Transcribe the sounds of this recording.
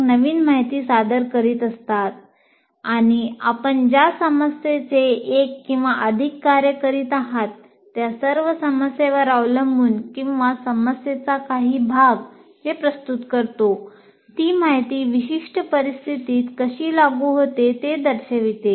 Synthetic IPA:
nəʋiːnmaɦjt̪iːsad̪əɾkəɾiːt̪əst̪at̪̚ | aɽ̃iapəɳd͡ʑjasəməsjet͡seekːĩw̃ʋaʔəd̪ʱikːaɾjəkəɾiːt̪aɦat̪ː | jasəɾʋəsəməsjeʋəɾaʋləmbuːnkĩw̃ʋasəməsjet͡sakaɦiːbʱaɡɦepɾəst̪ut̪kəɾt̪o | t̪iːmaɦjt̪iːʋiɕiʂʈəpəɾist̪ʰit̪iːt̪kəɕiːlaɡuɦot̪et̪ed̪əɾɕəʋit̪e

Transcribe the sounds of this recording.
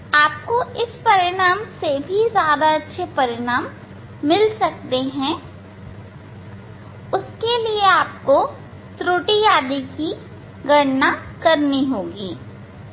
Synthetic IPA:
aːp̚koɪspɐɾɪɽ̃aːmsebʱizjaːd̪aɐtːʃʰepɐɾɪɽ̃aːmː | ɪlsɐk̚t̪eɦɛ̃ː | ʊskelieaːp̚ko | t̪ɾuːʈijaːd̪iki | ɡɐɽnakɐɾniɦoːɡiː

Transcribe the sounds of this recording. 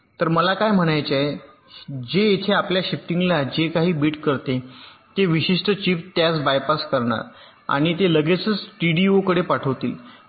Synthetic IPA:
t̪əɾməlakajm̤əɽ̃ajt͡ɕae | d͡ʑeet̪ʰeapljaɕifʈiŋɡlad͡ʑekaɦiːbiːʈkəɾt̪et̪eʋiɕiʂʈət͡ɕiːft̪jasbajpaskəɾɳa̰ɾ | a̰ɽ̃it̪eləɡet͡sət͡sʈiɽiokəɽepaʈʰəʋt̪ḭːl

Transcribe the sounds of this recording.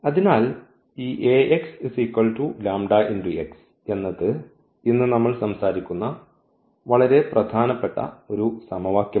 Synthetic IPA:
ɐðinaːl | iːʔeːʔeksisikːɐɭʈulaːmɖaʔindieks | e̞nːɐðɨ | inːɨnɐmːɐɭsɐmsaːɾikʲːunːɐ | ʋɐɭɐɾe̞prɐd̪ʱaːnɐpːe̞ʈːɐ̰o̞ɾusɐmɐʋaːkjɐ

